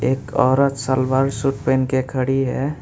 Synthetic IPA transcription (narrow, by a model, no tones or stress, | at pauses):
eːkɔːɾət̪salbaːɾsuʈpenkekʰəɽiɦɛ̰